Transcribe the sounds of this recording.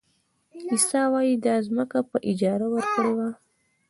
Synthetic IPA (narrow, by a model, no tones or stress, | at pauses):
isɑwɑjid̪ɑzməkapəʔɪd͡ʒɑɾawəɾkəɽewa